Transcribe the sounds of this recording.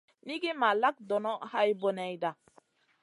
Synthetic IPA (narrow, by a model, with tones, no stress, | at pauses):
ni˦ɡe˦ma˨la˦k̚do˨nɔ˦ha˦jbo˨ne˨jda˨